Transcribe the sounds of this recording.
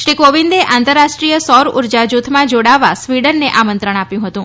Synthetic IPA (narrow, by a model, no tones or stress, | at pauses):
ʃɾikoʋind̪eʔãnt̪əɾːaʃʈɾijəsɔɾṵɾd͡ʒad͡ʒut̪ʰmãd͡ʒoɽaʋasʋiɽəɾneʔamənt̪ɾəɽ̃apjũɦət̪ũ